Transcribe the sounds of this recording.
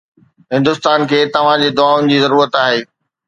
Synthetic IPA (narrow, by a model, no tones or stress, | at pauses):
ɦɪ̃nd̪ʊst̪aːnkʰeːt̪ɐʋ̤ãd͡ʑeːd̪ʊaːʊnɪ̆d͡ʑiːzɐɾuːɾət̪aːɦeː